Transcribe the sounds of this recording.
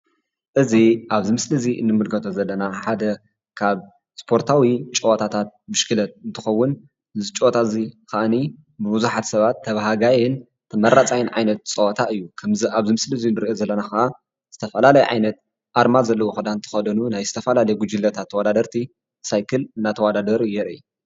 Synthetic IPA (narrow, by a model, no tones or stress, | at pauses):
ʔɨziʔaβzɨmɨslɨziʔɨ̰nːɨmɨlɡʰɐt̪ʰozɐlːɐnaħad̪ɐ | kʰaβ | spʰo̞ɾt̪ʰawit͡ʃʼɐwɐt̪ʰat̪ʰat̪̚bɨʃkʰɨlɐt̪̚ɨnt̪ʰɨxɐwːʊn | zit͡ʃʼowot̪ʰazikaʔɨni | bɨbuzuħat̪sɐβat̪ʰːɐβɦaɡajɪn | t̪ʰɐmɐɾat͡sʼajɪnʕa̰jnɐt̪̚t͡sʼɐwɐt̪ʰaʔɨjːukʰɐmzaβzimɨslɨzinːɨɾiʔozɐlːɐnaxɐʔa | z̥ɨt̪ʰɐfɐlalɐjʕa̰jnɐt̪̚ | ʔaɾmazɐlːɐwoxɨd̪ant̪ʰɨ̥xɐd̪ɐnunajzɨt̪ʰɐfɐlalɐjɛɡud͡ʒɨlːɐt̪ʰat̪ʰːɐwɐd̪ad̪ɐɾt̪ʰi | sajkʰɨlɨnːat̪ʰɐwɐd̪ad̪ɐɾjɛɾɨj